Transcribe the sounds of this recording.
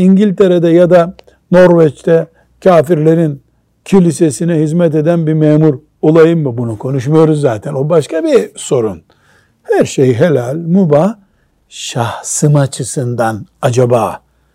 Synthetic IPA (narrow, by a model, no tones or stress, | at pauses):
iɲɟilʲt̪ʰe̞ɾed̪ɛjad̪a | no̞ɾvɛt͡ʃt̪ʰɛ | cʰaːfiɾlʲe̞ɾin | cʰilʲisesinɛɦizmɛt̪e̞d̪ænbimɛːmuɾ | olˠajɯmːɯbunukʰo̞nuʃmajo̞ɾuzːaːt̪ʰɛno̞baʃkabiso̞ɾun | hæɾʃejɦelʲalʲmuba | ʃahsɯmat͡ʃʰɯsɯnd̪anad͡ʒabaː